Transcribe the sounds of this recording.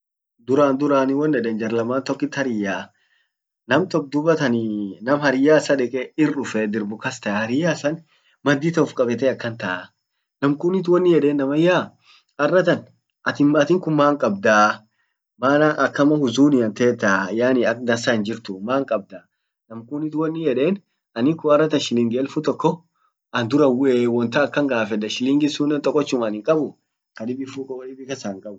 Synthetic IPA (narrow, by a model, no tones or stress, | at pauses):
d̪ʊɾaːnd̪ʊɾaːnɪwɔnːɛᶑ̪ɛnd͡ʒɐɾlɐmaːnt̪ɔkːɪt̪ːhɐɾɪjːaː | nɐmt̪ɔk̚d̪ʊbɐt̪ɐninɐmhɐɾɪjaːsɐᶑɛkʼɛɪrːʊfɛd̪ɪɾbʊkɐst̪ɐhɐɾɪjaːsɐn | mɐd̪ːiːt̪ɔfkʼɐbɛt̪ɛɐkːɐnt̪ɐʔa | nɐmkʊnɪt̪wɔnːɪjɛd̪eːnːɐmɐjaː | ɐrːɐt̪ɐn | ʔɐt̪ɪmɐt̪ɪŋkʊmmaːŋkʼɐbd̪aː | maːnɐʔɐkːɐmɐhʊzuːnɪɐnt̪eːt̪ːɐːjaːnɪɐkd̪ɐsaɪnd͡ʒɪɾt̪ʊmaːŋkʼɐb̚d̪aː | nɐmkʊnɪt̪wɔnːɪjɛᶑeːn | ɐnɪkʊɐrːɐt̪ɐnʃɪlɪŋɡɛlfut̪ɔkːɔ | ʔɐnd̪ʊɾɐwewɔnt̪ɐɐkːɐŋɡaːfɛd̪ɐʃɪlɪŋɡɪsuːnːɛnt̪ʼɔkʼːɔt͡ʃːʊmɐnɪŋkʼɐbʊ | kɐᶑɪbɪfukɐwlɪbɪkɐsaːŋkʼɐbʊ